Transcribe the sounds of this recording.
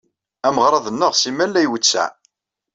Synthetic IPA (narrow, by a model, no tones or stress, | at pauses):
æməʁɾˤɑðˤənːəʁsimælːæjwət͡sːæ̰